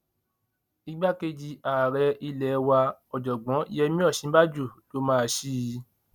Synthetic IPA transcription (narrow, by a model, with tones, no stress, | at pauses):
i˦ɡ͡ba˦ke˧d͡ʒi˧a˨ɾɛ˧i˧lɛ˨˦˧wa˧ɔ˨d͡ʒɔ˨ɡ͡bɔ̃˨˦i˦jɛ˧mĩ˦ɔ˦˨ʃĩ˨˦ba˦d͡ʒu˦˨to˦mãː˦˧ʃi˦˧˦